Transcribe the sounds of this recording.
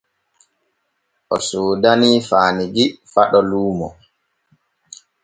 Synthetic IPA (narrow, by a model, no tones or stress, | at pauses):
ʔɔsuːdaniːfaːniɡifaɗɔluːmɔ̰